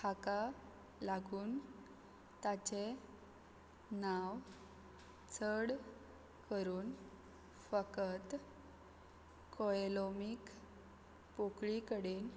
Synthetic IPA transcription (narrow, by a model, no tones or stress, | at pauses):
kʰaka | laɡuːn | t̪at͡ɕe | naw | t͡sʰəɽ | kəɾuːn | fəkət̪ | kɔelomik | pokɭikəɽeːn